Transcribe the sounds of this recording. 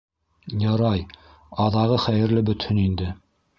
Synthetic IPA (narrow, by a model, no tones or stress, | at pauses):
jɑɾɑj | ɑðɑʁɤχæjɘ̆ɾlɘbɵ̆t̪hɵnind̪ɘ